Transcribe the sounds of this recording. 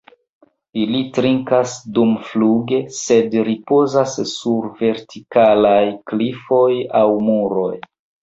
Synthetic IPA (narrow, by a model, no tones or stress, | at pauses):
ilitɾiŋkasdumfluɡe̞se̞dɾipo̞zasːuɾve̞ɾtikalajklifo̞jawmuɾo̞j